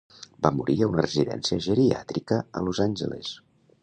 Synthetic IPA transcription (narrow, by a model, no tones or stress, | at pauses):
bamuɾʔiəunərəziðɛ̰nsiəʒəɾia̰t̪ɾikəə̰lozanʲʒəlḛs